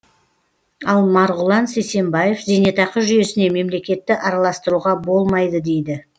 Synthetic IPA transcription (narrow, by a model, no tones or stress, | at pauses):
ɑlˠmɑɾʁʊlˠɑnsejse̞mbɑje̞fze̞net̪ɑqəʒʏje̞sɪne̞me̞mle̞kʲe̞t̪ːɪʔɑɾɑlˠɑst̪əɾuʁɑbo̞lˠmɑjd̪əd̪e̞jd̪ɪ